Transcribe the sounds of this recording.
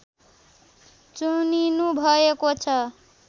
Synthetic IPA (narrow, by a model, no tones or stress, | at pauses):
t͡suninubʱʌekot͡sʰʌ